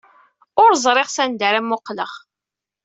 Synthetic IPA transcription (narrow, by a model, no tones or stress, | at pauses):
ʊɾzˤɾˤɪʁsænd̪əɾæmːʊqːləʁ